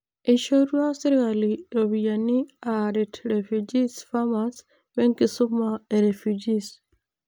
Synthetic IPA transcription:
ʔiʃoɾuasiɾɣaliɾoβijanːiaɾitɾefud͡ʒisfamas | meŋkisumːaeɾefud͡ʒis

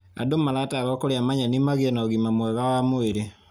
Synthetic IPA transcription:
adomalaːtaɣakoɾeamaɲanimaɣiɛnaoɣimamwɛɣawamoeɾe

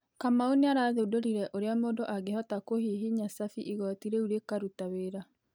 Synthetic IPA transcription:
kamaoneaɾaːðedoɾiɾɛʔoɾeamoːdoʔaɡehɔtakohiɦiɲasafiʔiɣɔtiɾeuɾekaɾutaweɾa

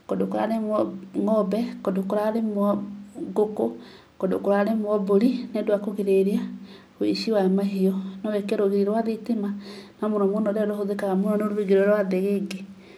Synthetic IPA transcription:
kodokuɾa̰ɾemɔŋɔbɛkodokuɾaɾemuɔɡoko | kodo̰kuɾaɾemuɔboɾinedwakoɣiɾeɾia | wḛʃiwamaɦiɔnowɛkeɾoɣiɾiɾwaðitimanamonɔmonɔɾɛɾohoðekaɣamoɾɔnoɾuiɡeɾoɾwaðeɣeɡe

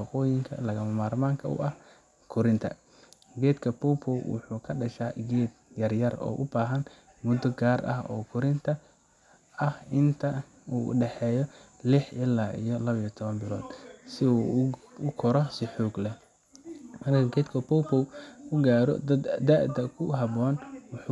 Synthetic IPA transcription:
ɑqɔːjɪŋkʰɐ̰lɐɣɐmɐmaːɾmaːŋkʰɐʊ̰ʔɐh | kʰʊɾɪnt̪ʰɐ̰ | ɡɛːd̪kʰɐpɔwpʰɔwwʊ̰ħuːkʰɐɖɐʃaːɡɛːd̪̚jɐrjɐrɔ̰ːʔʊbaːɦɐn | mʊd̪ɔɡaːrʔɐ̰hɔ̰ːkʰʊɾɪnt̪ʰɐ | ɐhɪnt̪ʰɐ | ṵːɖɛħɛːjɔlɪħʔɪlːaːʔḭjɔlɐβijɔt̪ʰɔβɐmbɪlɔːd̪̥sɪuʊkʰɔɾɔsɪħuːɡlɛ | mɐrkʰɐɡɛːd̪kʰɐpɔpʰɔwʊɡaːɾɔ̰d̪ɐd̪ɐd̪aːʔd̪ɐkʰʊɦɐbɔːnwʊħu

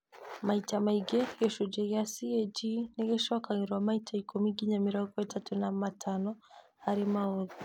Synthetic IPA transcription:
maitamaiɡɛjɔʃud͡ʒɛjasiɛd͡ʒiniɡɛʃwakaŋiɾwamaitʰaikɔmiɡiɲamiɾɔɡɔatatunamatʰanɔ | haɾimaɔði

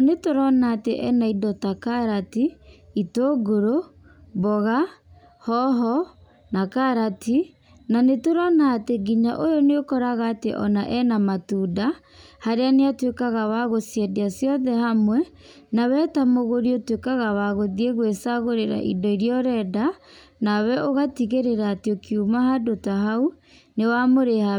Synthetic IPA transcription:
netoɾɔnaːteʔɛ̰naidɔtakaɾatiitoɡoɾo | bɔɣa | hɔɦɔ | nakaɾatʰi | nanetoɾɔnaːteɡiɲa̰ʔojɔneokɔɾaɣaːtḛʔɔ̰naʔɛnamatuda | haɾeaneatwekaɣawaɣosjɛdeasjɔðɛhamwɛ | nawɛtamoɣoɾiotwekaɣawaɣoðieɣwesaɣoɾeɾa̰ʔḭdɔiɾiɔɾɛdanawɛʔoɣatiɣeɾeɾaːtiokʰiumahadotaɦau | newamoɾea

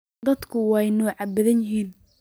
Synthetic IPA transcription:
d̪ɐd̪kʰʊwɑːjnɔːʕɑbɐðɐnjɪɦiːn

